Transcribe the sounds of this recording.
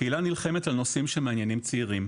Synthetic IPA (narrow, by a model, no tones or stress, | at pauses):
ilanilχe̞metalno̞simʃemeanjenimt͡siiʁim